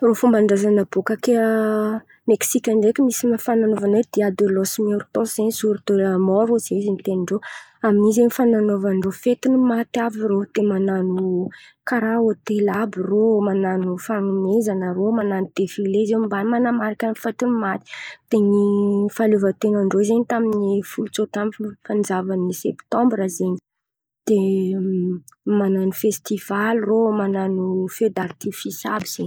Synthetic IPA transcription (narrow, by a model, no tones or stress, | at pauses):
rofumbaɳɖ͡ʐazanəbokake | meksikʲanɖ͡ʐekʲimisimfananovanod̪̥iad̪olosmeɾt̪osensuɾut̪elmɔɾoz̥eizinit̪eniɳɖ͡ʐoaminizeɲifananovaɳɖ͡ʐofet̪inimat̪avirod̪̥emananu | kaɾaot̪elabiromananufanunezanəromananud̪̥efilezemimbanmanamaɾakanifat̪inumat̪i̥d̪̥eŋnifaluvət̪enəɳɖ͡ʐoizeɲit̪aminifult͡sot̪amfand͡ʒavanisɛpt̪ɔ̃mbɾazeɲi | d̪̥e | mananufest̪iv̥alromananufed̪art̪ifisabiz̥eɲ